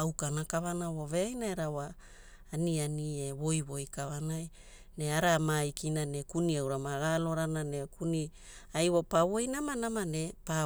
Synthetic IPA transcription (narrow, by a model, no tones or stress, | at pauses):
awkanakaβanawo̞ve̞ajnaeɾawaː | nianieβo̞jβo̞jkaβanaj | ne̞aɾamajkinane̞kuniawɾamaɡalo̞ɾanane̞kuni | ajwopaβo̞jnamanamane̞pa